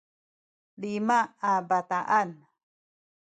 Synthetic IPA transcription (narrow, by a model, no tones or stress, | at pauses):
limaabat̪aʔan